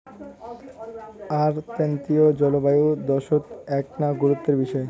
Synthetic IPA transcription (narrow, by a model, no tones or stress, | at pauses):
aɾt̪ent̪iod͡ʑɔlobajud̪ɔʃot̪ɛknaɡuɾut̪ːeɾbiʃɔe